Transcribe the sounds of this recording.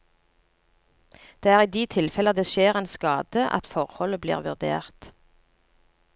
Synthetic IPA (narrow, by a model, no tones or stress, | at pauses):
d̪̥eːæːʁiːd̪iːt̪ʰɪlfɛlɑd̪eːʃeːʁeːnskɑːd̪̥əʔɑ̰t̪fɔʁhɔləblḭːʁʋʉʁd̪ḛːʁt̪